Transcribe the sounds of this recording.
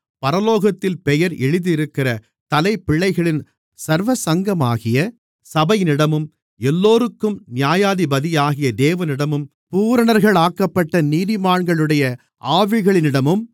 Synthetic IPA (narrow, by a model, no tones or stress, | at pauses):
pɐɾɐloːɣɐt̪ːɪlpɛjɐɾɛɻɯðɪɪɾɯkːɪrɐ | t̪ɐlɐɪpːɪɭːɐɪɣɐɭɪn | sɐɾʋɐsɐŋɡɐma̰ːɣɪjɐ | sɐbɐjɪnɪɽɐmɯm | ɛlːoːɾɯkːɯmnɪjaːjaːðibɐðɪjaːɣɪjɐd̪eːʋɐnɪɽɐmɯm | puːɾɐɳɐɾɣɐɭaːkːɐpːɐʈːɐniːðɪmaːɳɡɐɭɯɽɐjɐ | ʔaːʋɪɣɐɭɪnɪɽɐmɯm